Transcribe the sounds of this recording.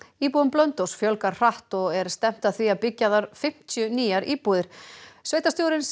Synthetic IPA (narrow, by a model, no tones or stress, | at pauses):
iːpuðʏmplœnt̪owsfjœlkaɾr̥aht̪ɔɣɛɾst̪ɛm̥t̪aðθiapɪcːaðaɾ̥fɪm̥t̪ʰjʏniːaɾʔiːpuðɪɾ̥sveːjt̪ast̪jowɾɪns